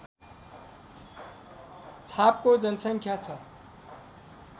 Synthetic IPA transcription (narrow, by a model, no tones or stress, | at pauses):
t͡sʰapkod͡zʌnsʌŋkʰjat͡sʰʌ